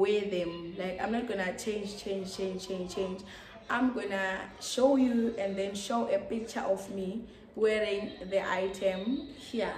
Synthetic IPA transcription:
wɛðɛ̃mlajkãjmnɔt̚ɡ̥ɔnat͡ʃʰẽnd͡ʒt͡ʃʰẽnd͡ʒt͡ʃʰẽnt͡ʃʰẽnt͡ʃʰẽnd͡ʒ | ãjmɡɔnaʃojuɛ̃ndɛ̃nʃowʔɛpik̚t͡ʃʰaʔɔfmi | wɛɹĩŋðɛʔajtʰɛ̃mhi

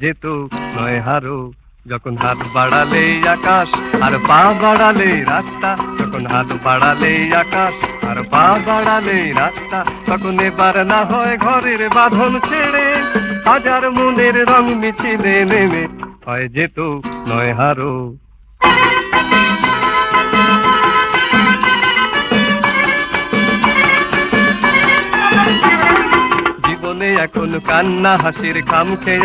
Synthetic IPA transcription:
d͡ʒet̪onɔɦaɾo | d͡ʒɔkɔnɦat̪baɽalejakaʃaɾpabaɽalejɾakt̪ad͡ʒɔkɔnɦat̪baɽalejakaʃa̰ɾpabaɽalejɾast̪asɔkɔnebaɾnaɦɔeɡʱɔɾeɾebad̪ʱɔnt͡ʃʰeɽehɔd͡ʒaɾmuneɾɾɔŋmit͡ʃʰinenemehɔjed͡ʒet̪onɔ̰jeɦaɾo | d͡ʒibɔneɛkɔnkanːaɦasiɾkʰamkʰɛj

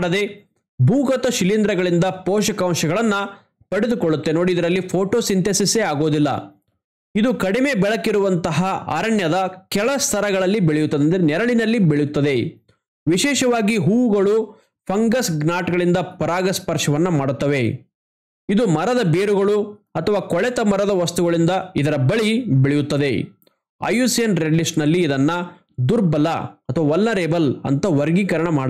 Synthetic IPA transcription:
ɽɐd̪e̞ | bʱuːɡɐt̪ɐʃilind̪ɾɐɡɐɭind̪ɐpɔːʃɐkɐwʃɐɡɐɭɐnːɐ | pɐɽed̪ukoɭːut̪ːe̞no̞ːɽiːd̪ɐɾɐlːipʰoːʈoːsint̪esiseaːɡo̞ːd̪ilːɐ̰ | id̪ukɐɽime̞bɛɭɐkːiɾuʋɐnt̪ɐɦɐʔɐ̰ɾɐɳjɐd̪ɐkɛɭɐst̪ʰɐɾɐɡɐɭɐlːibeɭejut̪ːɐd̪end̪ɾnɛɾɐɭinɐlːibeɭjut̪ːɐd̪e̞ | ʋiʃɛːʃɐʋaːɡiɦuːɡɐɭu | pʰɐŋɡɐsɡnaːʈɡɐɭind̪ɐpɐɾaːɡɐspɐɾʂɐʋɐnːɐmaːɽut̪ːɐʋe̞ | id̪umɐɾɐd̪ɐbeːɾuɡɐɭuɐt̪ʰɐʋaːkɔɭɛt̪ɐmɐɾɐd̪ɐʋɐst̪uɡɐɭind̪ɐid̪ɐɾɐbɐɭibeɭɛjut̪ːɐd̪e̞ | ɐ̰juːsijɐnɾeɖlisʈnɐlːiːd̪ɐnːɐ | d̪uɾbɐlɐɐt̪ʰɐʋaːʋɐlːɐɾebɐlɐ̰nt̪ɐʋɐɾɡiːkɐɾɐɳɐmaː

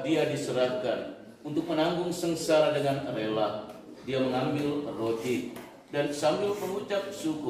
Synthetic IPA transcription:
diadisəɾahkan | unt̪ʊk̚mənaŋɡʊŋsəŋsaɾadəŋanəlelah | diaməŋambɪlrot̪i | dansambɪlpəŋut͡ʃap̚suku

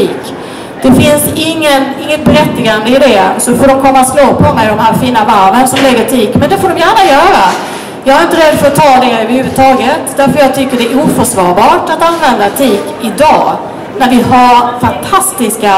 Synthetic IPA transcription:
t̪iːk | d̪̥ɛfɪnsɪŋːənɪŋːət̪̚bɛɾɛt̪ːɪɡand̪əɪd̪ɛsɔfoːɖɔmkʰɔmːat̪sloːpʰɔmɛjd̪ɔmɦæːɾfiːnavaɾvənsɔmlɛɡət̪ʰiːkmɛnd̪ɛfoːɖɔmjæːɳajœːɾa | jɑɡhaɾɪnt̪əɾɛd̪ːfœɾɔt̪ʰːɑːd̪ɛœvəɾhʉ̟vɵd̪t̪ʰɑːɡət̪d̪æɾfəɾjɑːɡ̚t̪ʰʏkːəɖɛʔuːfœʂvɑːɾbɑːʈat̪anvɛnd̪at̪ʰiːk | ɪd̪ɑː | næɾvɪhaɾfant̪ʰast̪ɪska

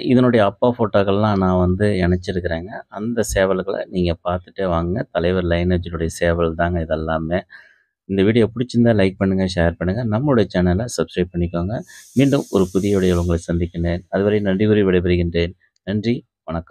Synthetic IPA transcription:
ɪðɐnɔɽɐjɐːpːaːfoːʈːoːɣɐɭlãːnãːʋɐnd̪ɯɪɳɛt͡ʃːɪɾɯkːɪɾeːŋɡɐɐnd̪ɐseːʋɐlɣɐɭɐ̰niːŋɡɐpaːɾt̪ɯʈːɯʋaːŋɡɯŋɡɐt̪ɐlɐɪʋɐɾlɐɪned͡ʒɪnɯɽɐjɐseːʋɐlt̪aːŋɡɐɪðɛlːaːmeː | ɪnd̪ɐʋiːɽɪjɐpʊɽɪt͡ʃːɯnd̪aːlɐɪk̚pɐɳːɯŋɡɐʃaːjɐɾpɐɳːɯŋɡɐnɐmːɐɯɽɐjɐt͡ʃanɐlɐsɐbskɾɐɪb̚pɐɳːɪkːaːŋɡɐmiːɳɖɯmɔ̰ɾɯpʊðɪjɐɽɐjɐɭʊŋɡɐɭɐsɐnd̪ɪkʲːɪɳɖeːnɐðɯʋɐɾɐjɯnɐɳɖɪɣɯɾiʋɪɽɐɪpɐɾɯɣɪɳdreːn | nɐɳdri | ʋɐɳɐkːɐ̥m

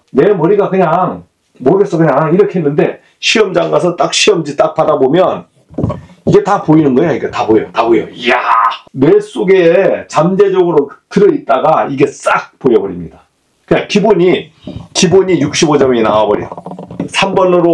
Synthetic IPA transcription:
ne̞mʌɾiɡakɯɲaŋ | moɾɯɡes͈ʌkɯɲaŋiɾʌkʰeɦenːɯnde̞ | ɕʰiʌmd͡ʑaŋɡasʰʌt͈ak̚ɕʰiʌmd͡ʑit͈ak̚padabomjʌn | iɡe̞tapoinɯnɡʌejoiɡe̞tabojotabojojane̞s͈oɡe̞t͡ɕamd͡ʑe̞d͡ʑʌɡɯɾotɯɾʌit̚t͈aɡaiɡe̞s͈ak̚pojʌbʌɾimɲida | kɯɲaŋkiboɲi | kiboɲijuk̚ɕ͈ibod͡ʑʌmeinaabʌɾḭsʰambʌnɯɾo

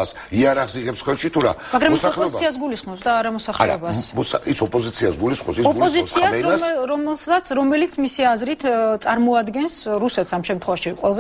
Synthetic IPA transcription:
as | iaɾaχsiʁɛpsχwɛlʃit̪ʰuɾa̰maɡɾamɔsaɔlɔɛiiasɡulisχmɔpsd̪aːɾamɔsaχlaɛɾa̰basmɔsaisɔpʼɔzit̪sʰiasɡulisχmɔ̰sisɔɔzisʰiasɾɔmɛlˠsat̪sʰɾɔmɛlit̪sʰmisiazɾit̪ʰt̪sʼaɾmɔad̪ɡɛnsɾusɛt̪samʃɛmt̪ʰχwɛvaʃiqʼwɛlˠaz

